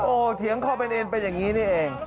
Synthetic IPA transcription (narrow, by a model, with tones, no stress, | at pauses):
ʔoː˨˩t̪ʰi˨˦əŋkʰa˥˩wpe˧nʔe˧npe˧njaː˨˩ŋːiː˦˥niː˥˩ʔeː˧ŋ